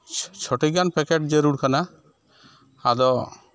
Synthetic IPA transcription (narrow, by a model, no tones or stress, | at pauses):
t͡ʃʰoʈiɡanpɛkɛʈ̚d͡ʒeɾuɽkʰana | a̰d̪ɔ